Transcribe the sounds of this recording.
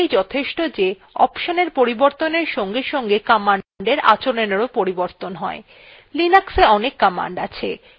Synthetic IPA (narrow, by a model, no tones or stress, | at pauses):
ejd͡ʑɔt̪ʰeʃʈod͡ʑe | ɔpʃoneɾpoɾiboɾt̪oneɾʃɔŋɡeɾʃɔŋɡekamaɳɳɖeɾa̰t͡ɕoneneɾopoɾiboɾt̪onɦɔe | linakseɔnekːama̰ɳɖa̰t͡ɕʰḛ